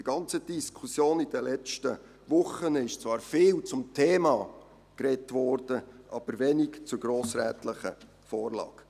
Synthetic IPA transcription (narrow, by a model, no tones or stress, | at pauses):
diɡ̥ɑnt͡səd̥iskʰusjoːnɪd̥ɛlɛt͡stə | vʊχənɪʃt͡svɑːɾfɪːlt͡sʊmtʰeːmɑ | kɾɛtvɔɾd̥əʔɑb̥əɾʋɛnikt͡sʊɡɾoːsɾɛːt̪ləχə̰ | fɔːrlɑ̰ːɡ̥